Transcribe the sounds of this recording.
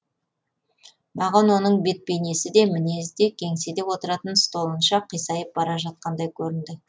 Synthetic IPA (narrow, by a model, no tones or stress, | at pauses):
mɑʁɑnwo̞nəɴbe̞t̪̚pe̞jne̞sɪd̪e̞mɪne̞zd̪e̞kʲʰe̞ŋse̞d̪e̞wo̞t̪əɾɑt̪ənst̪o̞lˠənʃɑqʰijsɑjəp̚bɑɾɑʒɑt̪̚qɑnd̪ɑjkʲʰɵɾɪnd̪ɪ